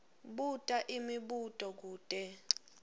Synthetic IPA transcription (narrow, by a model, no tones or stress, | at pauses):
ɓutʼaʔimiɓutʼɔk̬uːtʼɛ